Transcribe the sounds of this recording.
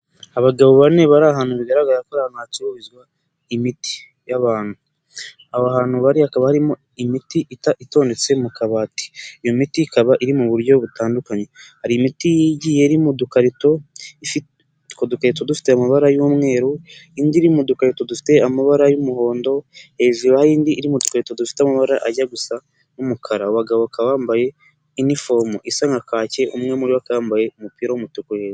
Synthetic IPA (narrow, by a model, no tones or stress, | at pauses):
aβaɡaβoβane̞βaɾaɦaːn̥huβiɡaɾaɡaɾakoɾaanacowizɡwa | imiti̥ | jaβaːn̥u | ahoaɦaːn̥huβaɾihakaβahaɾimo | imitiʔitaito̞ːnde̞t͡se̞mukaβaːti̥ijomitiːkaβaʔiɾimuβuɾɟo̞βutaːndukaɲe̞haɾimitijiːɟijeɾimudukaɾito̞i | kodukaɾito̞dufi̥te̞amaβaɾajumŋe̞ːɾuiːndiɾimudukaɾito̞dufi̥te̞amaβaɾajumuho̞ːndo̞e̞viβahaiːndiʔːɾimudukaɾito̞dufi̥teamaβaɾaʔaɟaɡusa | numukʰaɾauwaɡaβokawaːmbaje̞ | inifo̞muʔisaŋɡakaːce̞ʔumŋe̞muɾiwakajaːmbaje̞umupiːɾawumutukujeβi